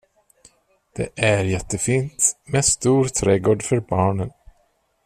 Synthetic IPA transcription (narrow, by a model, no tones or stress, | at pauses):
d̪̥ɛ̰ʔæɾjɛt̪ːəfiːnt̪mɛst̪uːɾt̪ʰɾɛːɡoːɖfœɾbɑːɳən